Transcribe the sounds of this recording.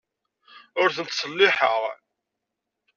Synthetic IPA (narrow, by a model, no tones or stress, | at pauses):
ʊɾθənt̪sˤəlːɪħəʁ